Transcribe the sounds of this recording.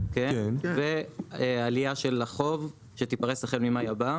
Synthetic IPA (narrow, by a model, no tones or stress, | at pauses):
kekeveealiaʃe̞lːaχo̞v | ʃe̞t̪ipaʁesaχenmimajaba